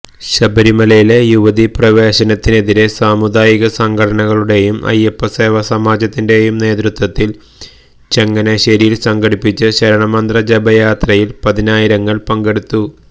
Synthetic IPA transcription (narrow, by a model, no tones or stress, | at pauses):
ɕɐbɐɾimɐlɐjile̞juʋɐðiprɐʋe̞ːɕɐnɐt̪ːine̞ðiɾe̞saːmud̪aːjiɣɐsɐŋɡʱɐɽɐɳɐɣɐɭuɽe̞jumɐ̰jɐpːɐseːʋɐsɐmaːd͡ʑɐt̪ːinde̞jumne̞ːt̪rut̪wɐt̪ːil | t͡ɕe̞ŋːɐneɕɐɾijilsɐŋɡʱɐɽipːit͡ɕːɨɕɐɾɐɳɐmɐnd̪rɐd͡ʑebɐjaːt̪rɐjilpɐðinaːjiɾɐŋːɐɭpɐŋɡe̞ɽut̪ːu